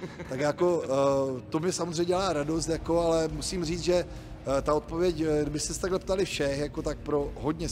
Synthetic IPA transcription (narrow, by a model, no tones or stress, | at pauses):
t̪akjako̞ | t̪omɲɛsamozr̝eɛɲɟɛlaːɾados̬t̪jako̞alɛmusiːmriːt͡s̪ʒɛ | t̪aot̪̚povjɛcɡdɪbɪst̪ɛsɛ̥t̪aɡlɛpt̪alɪfʃɛxjako̞t̪ak̚pɾo̞ɦo̞dɲɛ